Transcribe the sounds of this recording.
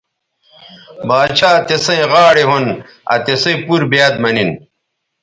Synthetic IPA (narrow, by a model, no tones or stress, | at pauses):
baːt͡ɕʰaːt̪esɐ̃ĩʁaːɽeɦon | ɐ̰t̪esɐ̃puɾbjaːd̪mɐnin